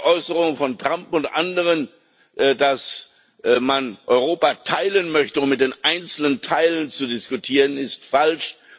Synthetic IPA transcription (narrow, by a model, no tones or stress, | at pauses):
ʔɔʏsəʁʊŋəfɔntʁ̥ampʊntʔandəʁ̞ən | ʔdas | manʔɔʏʁoːpatʰaɪlənmœçtəʊmmɪt̚d̥eːnʔaɪnt͡sl̩nəntʰaɪlənt͡sudɪskutʰiːʁənɪstfalʃ